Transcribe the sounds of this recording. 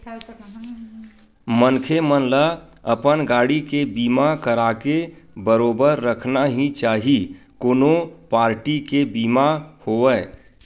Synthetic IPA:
mənkʰemənla | ə̰pənɡaːɽikebiːmakəɾakebəɾoːbəɾːəkʰnaɦĩt͡ʃaːɦi | koːnopaːɾʈikebiːmahoːɛː

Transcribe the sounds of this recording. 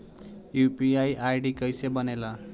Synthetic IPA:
jupiajajɖikʌjsebʌnela

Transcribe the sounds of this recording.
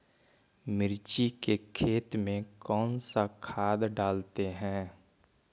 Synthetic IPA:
mɪɾt͡ʃikekʰeːt̪mẽkɔːnsakʰaːd̪ɖaːlt̪eɦɛ̃ː

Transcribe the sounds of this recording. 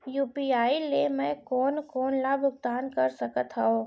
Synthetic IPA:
juːpiːaːilemɛ̃kɔːnkɔːnlabʊɡ̚t̪aːnkɐɾsɐkət̪ɦaoː

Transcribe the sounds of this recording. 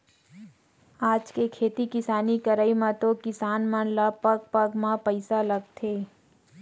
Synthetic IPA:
aːd͡ʒkekʰeːt̪ikɪsaːnikɐɾaːimãt̪okɪsaːnmãnlapɐɡ̚pɐɡmãpəɪsalɐɡ̚t̪ʰeː

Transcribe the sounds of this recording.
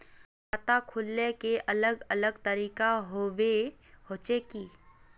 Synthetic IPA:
at̪akʰʊlːekeʔɐləɡɐləɡt̪əɾiːkaɦowehoːt͡ʃekiː

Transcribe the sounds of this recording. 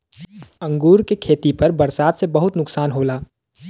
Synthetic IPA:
ə̃ŋɡuːɾkekʰeːt̪ipɐɾbɐɾsaːd̪sebɐɦʊt̪nʊksaːnɦoːlaː

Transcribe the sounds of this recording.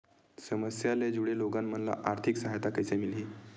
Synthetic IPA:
səməsjaled͡ʑuɽeloɡamm̤ənla̰ʔaɾt̪ʰiksəɦajt̪akəjsemiliː

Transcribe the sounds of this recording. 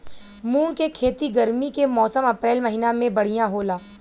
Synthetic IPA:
muːnkekʰeːt̪iɡɐɾmikemɔːsəmɐpɾeːlmɐɦiːnamẽbɐɽ̤ijãɦoːlaː

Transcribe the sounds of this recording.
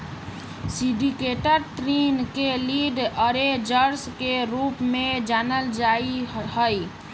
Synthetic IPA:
sĩɖikeʈəɾt̪ɾinkeliɖəɾed͡ʒəɾskeɾupmẽd͡ʒaːnəld͡ʒaiɦəj

